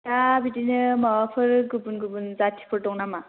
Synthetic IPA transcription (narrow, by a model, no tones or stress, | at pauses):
tabidinɯmawapʰɯɾɡɯbunɡɯbunzatʰi̥pʰɯɾtɔŋnama